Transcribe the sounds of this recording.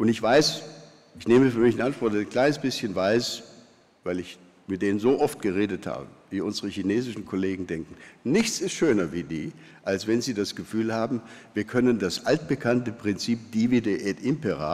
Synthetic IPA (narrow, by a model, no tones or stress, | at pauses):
ʔʊntɪçv̥aɪs | ɪçneːməfyːɐmɪçɪnʔantv̥ɔɐt̚dnkl̥aɪnəsb̥ɪsçənvaɪs | vaɪlɪç | mɪt̚d̥eːnənzoːʔɔft̚ɡ̥əʁeːdətha̰ːbəviːʔʊnzəʁəçineːzɪʃn̩kʰoleːɡŋ̩dɛŋkŋ̩nɪçt͡sɪstʃøːnɐviːdḭː | ʔalsv̥ɛnziːdasɡ̥əfyːlhaːbm̩viːɐkʰœnəndasʔalt̚b̥əkʰantəpʁ̥ɪnt͡siːp̚d̥ivideʔɛːtʔɪmpəʁa̰